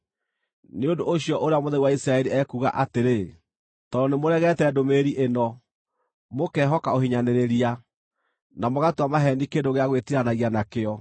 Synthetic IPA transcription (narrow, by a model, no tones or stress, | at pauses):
neondoʔoɕijɔʔoɾeamoðɛiwaisɾaɛɾiɛkuɣa̰ʔateɾe | tɔnemoɾɛɣɛtɛdomeɾiʔenɔ | mokɛɦɔkaohiɲaneɾeɾia | namoɣatwamaɦɛndikendoɣeaɣwetiɾanaɣianakeɔ